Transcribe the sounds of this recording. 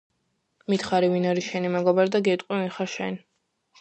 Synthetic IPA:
mit̪ʰχaɾivinaɾiʃɛnimɛɡɔbaɾɛd̪aɡɛt̪ʼqʼwivinχaʃɛ̰n

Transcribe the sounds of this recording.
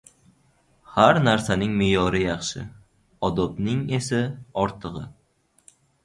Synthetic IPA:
haɾnaɾsanɪŋmɪjɒɾɪjɑχʃɪ̰ | ɒd̪ɒbnɪŋe̞saɒɾt̪ʰɨʁɨ

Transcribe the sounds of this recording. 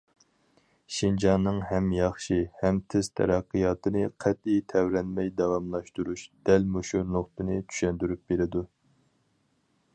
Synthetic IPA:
ʃind͡ʒɑnːɨŋɦɛmjɑχʃihɛmt̪ʰɪz̥t̪ʰɛ̰ɾɑqːɨjɑːt̪ʰɨnɨqʰɛt̪̚it̪ʰɛvɾɛnmɛjd̪ɑwɑmlˠɑʃt̪uɾuʃd̪̥ɛlmuʃunoχt̪ɨnɨt͡ʃ̪ʰy̥ʃɛnd̪yɾyp̚b̥eɾɪd̪u

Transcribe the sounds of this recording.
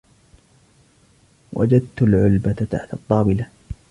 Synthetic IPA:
wʔa̰d͡ʒad̪̚t̪ʊlʕʊlbat̪aħt̪ɑt̪ˤːɑːbɪla

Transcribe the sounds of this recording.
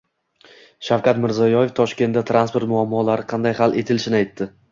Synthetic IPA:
ʃawkʰʲat̪mɪɾzɒjɒje̞ft̪ʰɒʃkʲe̞nd̪at̪ʰɾanspo̞ɾt̪mʊamːɒlaɾɪqʰɑnd̪ajhalʔe̞t̪ʰɪlɪʃɪnɪajt̪ːɪ

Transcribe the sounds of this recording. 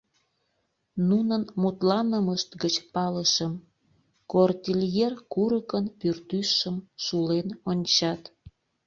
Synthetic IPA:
nunənmut̪lɑnəməʃt̪ɡət͡ɕpɑləʃəm | kort̪ʲiljerkuɾəkənpyrt̪yʃəmʃulenonʲt͡ɕɑt̪

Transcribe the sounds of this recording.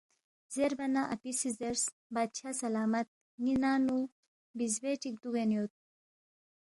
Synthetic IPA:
zeɾbɐnaʔɐ̰pisizeɾs | baːd̪̚t͡ɕʰasɐlaːmɐt̪̚ | ŋinaːnu | bizbeʈik̚d̪uɣenijot̪̚

